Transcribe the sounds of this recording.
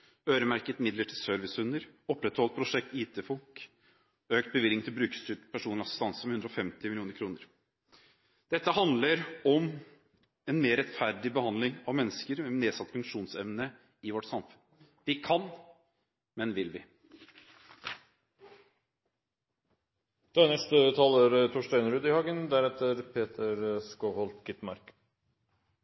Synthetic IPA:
øːɾəmæɾkət̪mɪd̪ləʈʰɪlsœɾʋɪsʉnəɾɔpːɾɛt̪hɔlt̪̚pʰɾʊʂɛk̚t̪iːt̪əfɔlk | øːkt̪̚bəʋɪlːɪŋt̪ʰɪlbɾʉːkst̪yːʈpʰæʂuːnlɪɑsɪst̪ɑnsəmɛhʉnd̪ɾɔfɛmt̪ɪmɪlɪuːnəɾkʰɾuːnəɾ | d̪̥ɛt̪ːəhɑnd̪ləɾɔm | ɛnmeːɾɛt̪fæɾɖɪbəhɑnd̪lɪŋɑʋmɛnːəskəɾɛneːsɑt̪ːfʉŋkʂuːnsɛmnə | ɪʋɔʈːsɑmfʉn | ʋɪkʰɑn | mɛnʋɪlʋɪ | d̪̥ønɛʂt̪ət̪ʰɑːləɾt̪ʰʊʂʈæɪnɾʉːd̪ɪhɑːɡənd̪æɾɛt̪əɾpʰeːt̪ʰəɾskohɔlt̪ɡɪt̪mɑ̰ɾk

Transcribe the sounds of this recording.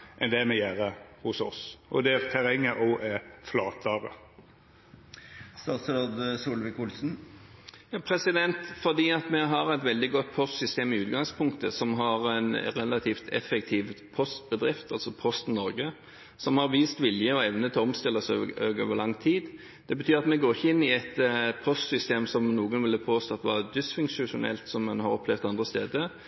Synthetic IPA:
ʔɛnd̪ɛmɛjæːʁəhʊsɔ̰sʔɔ̰d̪ɛæʁt̪ʰæʁɛŋːəʔɔːʔɛflɑːt̪ʰəʁə | st̪ɑːt̪sɾɑːd̪suːlʋɪkʊlsn̩ | jɑːpʰɾɛsɪd̪ɛnt̪fɔʁd̪iːɑt̪mɛɦɑʁɛt̪ʋɛld̪ɪɡɔt̪̚ːpʰɔst̪sʏst̪eːmɪʉːt̪ɡɑŋspʰʊŋkt̪əsɔmɦɑʁɛnɾɛlɑt̪ʰiːft̪ʰɛ̰fɛk̚t̪ʰiːʋpʰɔst̪bəd̪ɾɪft̪ɑlsɔpʰɔst̪nɔɾɡə | sɔmhɑɾʋiːst̪ʋɪljəɔɛʋnət̪ʰɛlɔmst̪ɪlːəsø̰øːɡoːʋəɾlɑŋːt̪ʰiːd̪ | d̪̥ɛbət̪ʰyːɾɑt̪mɛɡoːɾɪçːəɪnːɪɛt̪pʰɔst̪sʏst̪eːmsɔmnuːɡənʋɪlːəpʰoːst̪oːt̪ʋɑd̪ɪsfʉŋʂʊʂʊnɛ̰lt̪sɔmːɛnhɑɾɔpʰlɛʋd̪ɑnd̪ʁəst̪eːd̪ə

